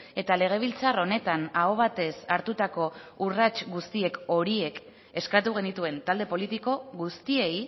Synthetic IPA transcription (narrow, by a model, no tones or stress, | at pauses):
e̞t̪ale̞ɣ̞e̞β̞ilt͡saro̞ne̞t̪anaoβ̞at̪e̞saɾt̪ut̪ako̞urat͡ʃɡust̪ie̞ko̞ɾie̞k | e̞skat̪uɣ̞e̞nit̪ue̞nt̪ald̪e̞po̞lit̪iko̞ɣust̪ie̞j